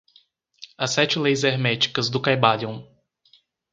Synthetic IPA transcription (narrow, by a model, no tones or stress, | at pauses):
ɐsɛt͡ʃɪlejzeɾmɛt͡ʃi̥kɐzd̪ʊkajbaʎɐ̃w̃